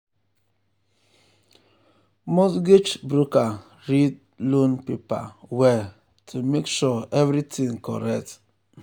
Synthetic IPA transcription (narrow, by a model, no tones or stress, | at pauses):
mosɡit͡ʃbɾuka | ɹid̚ | lõnpipa̰wɛ | tʰumekʃɔɛvɾitĩŋkɔ̰ɾɛk̚t